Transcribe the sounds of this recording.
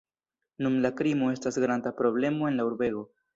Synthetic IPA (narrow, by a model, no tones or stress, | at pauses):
numlakɾimo̞e̞stasɡɾandapɾo̞ble̞mo̞e̞nlauɾbe̞ɡo̞